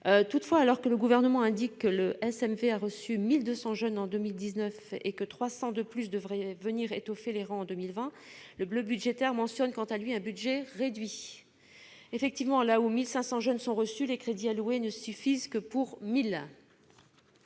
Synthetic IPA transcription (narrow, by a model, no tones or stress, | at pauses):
t̪ut̪fwaːlɔʁkələɡuvɛʁnəmɑ̃ɛ̃d̪ikːələʔɛsɛmveaʁəsymild̪øsɑ̃ʒœnɑ̃d̪ømild̪iznœfḛkət̪χwasɑ̃d̪əplys̬d̪əvʁɛvəniʁet̪ɔfeleʁɑ̃ɑ̃d̪ømilvɛ̃ | ləbløbyd̪ʒet̪ɛʁmɑ̃sjɔnkɑ̃t̪alɥiɛ̃byd̪ʒɛʁed̪ɥi | efɛk̚t̪ivmɑ̃laumilsɛ̃sɑ̃ʒœnsɔ̃ʁəsylekχed̪ialuenəsyfizkəpuʁmil